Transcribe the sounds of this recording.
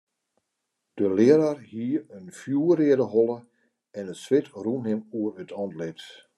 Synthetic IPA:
d̥əlɪəɾarhiəənfjuːəɾɪədəhɔlˠə | ɛnəsʋɪtrunhɪmuərətʰɔntlɪt

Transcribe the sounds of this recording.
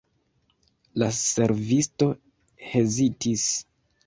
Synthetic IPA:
lase̞ɾvisto̞ | hezitʰis

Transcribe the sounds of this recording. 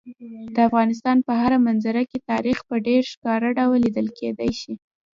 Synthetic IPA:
d̪əafɣɑnɪs̬t̪ɑnpəɦaɾamanzaɾaket̪ɑɾixpəɖeɾʃkɑɾaɖawlːid̪əlkʰed̪ajʃi

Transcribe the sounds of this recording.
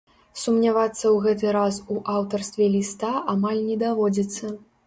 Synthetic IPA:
sumnʲavat̪sːɐwɣɛt̪̬ɨɾasuʔawt̪ɐrst̪vʲɛlʲist̪aʔamalʲnʲɛd̪avɔd͡zʲit̪sːɐ

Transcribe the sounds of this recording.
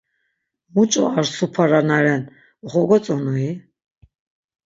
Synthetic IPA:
mut͡ʃʼɔ̰aɾsupʰaɾanaɾɛn | ɔχɔɡɔt͡sʼɔnui

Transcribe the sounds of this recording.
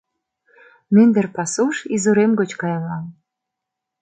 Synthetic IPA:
mynd̪ə̆rpɑsuʃizuɾemɡot͡ɕkɑjɑŋɑm

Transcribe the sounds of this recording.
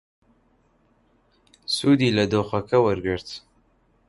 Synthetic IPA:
sud̪iləd̪oxakɐwəɾɡəɾt̪

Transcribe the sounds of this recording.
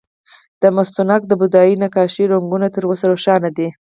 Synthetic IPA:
d̪̥əmast̪unɑk̚d̪əbʊd̪ɑjinakɑʃiɾoŋɡunat̪əɾosaɾoʃɑnad̪i

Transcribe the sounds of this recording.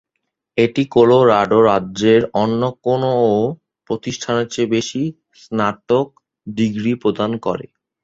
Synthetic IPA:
eʈikoloɾaɖoɾadd͡ʑeɾɔnːokonoo | pɾot̪iʃʈʰanet͡ɕebeʃi | snaʈok̚ | ɖiɡɾipɾod̪ankɔ̰ɾḛ

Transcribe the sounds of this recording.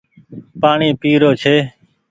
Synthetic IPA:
paːɳiːpiːɾoːt͡ʃʰeː

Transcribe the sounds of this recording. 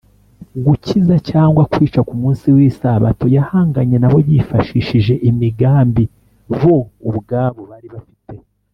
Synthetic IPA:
ɡucizacaːŋɡwakwiːt͡ʃakumuːnsiwiːsaβa̰to̞jahaːŋɡaɲe̞naβo̞jifaʃiːʃiʒe̞ʔimiɡaːmbi | βo̞uβɡaβo̞βaːɾiβafite̞

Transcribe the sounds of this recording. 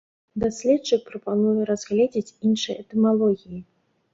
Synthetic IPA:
d̪asʲlʲɛt̪t͡ʂɨk̚pɾɐpanujɛɾazɣlʲed͡zʲit͡sʲinʂɨjɛt̪ɛmalˠɔɣʲiji

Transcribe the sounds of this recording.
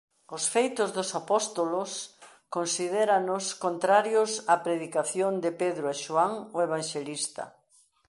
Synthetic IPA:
ʊsfejt̪ʊzðʊsapɔst̪olʊs | konsiðeɾanʊskont̪ɾaɾjʊsapɾeðikaθjond̪ɪpeðɾʊeʃoaŋoeβaŋʃelist̪ɐ̰

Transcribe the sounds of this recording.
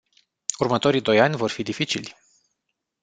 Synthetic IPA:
urmət̪o̞ɾid̪o̞janʲvo̞rfid̪ifit͡ʃilʲ

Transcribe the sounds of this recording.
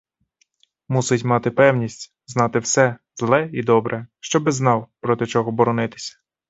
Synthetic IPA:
musɪtʲmɑt̪ɪpɛwnʲisʲtʲ | znɑt̪ɪwsɛ | zlˠɛid̪ɔbɾʔɛʃt͡ʃɔbɪznɑwpɾɔt̪ɪt͡ʃɔɦɔbɔɾɔnɪt̪ɪ̥sʲɐ̥

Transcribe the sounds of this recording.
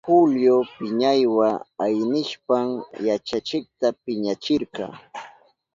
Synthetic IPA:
pʊljopɪɲajwaajnɪʃpaŋjat͡ʃat͡ʃɪk̚t̪apɪɲat͡ʃɪɾkɑ̰ː

